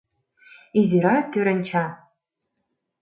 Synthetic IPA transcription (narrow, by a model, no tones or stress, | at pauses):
iziɾaɡʲɨɾɐnt͡ʃʰa